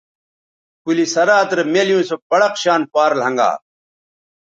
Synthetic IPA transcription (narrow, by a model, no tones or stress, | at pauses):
kulisɐɾaːt̪ɾemeljũːsopɐɽɐqɕaːnpaːɾlɦɐ̃ŋɡa̰ː